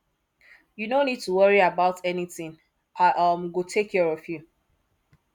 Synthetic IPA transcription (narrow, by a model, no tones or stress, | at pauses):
junonid̚tuwʌɹiabaʊtʰɛniθɪ̃ŋ | aʔʌmɡotʰekʰːɛɹɔfju